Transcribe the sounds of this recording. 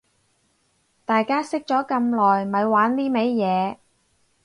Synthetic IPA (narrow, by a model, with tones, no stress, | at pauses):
t̪aː˨jkaː˥sɪ˥k̚t͡ʃɔː˨˥kɐ˧mlɔː˨˩jmɐ˨˧jwaː˨˥nliː˥me˨˧jjɛː˨˧